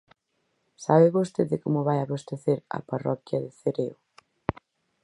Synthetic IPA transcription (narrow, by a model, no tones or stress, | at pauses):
saβeβost̪eðɪkomʊβajaβost̪eθeɾɐ̰parɔkjɐðɪθeɾeo